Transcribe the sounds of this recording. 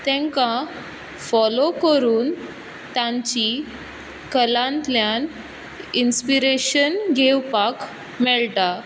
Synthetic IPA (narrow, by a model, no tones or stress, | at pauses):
t̪ɛ̃ŋka | fɔlokəɾuːn | t̪ãɲt͡ɕi | kəlãnt̪ljan | inspiɾeɕənɡʱewpak | mɛɭʈ̪a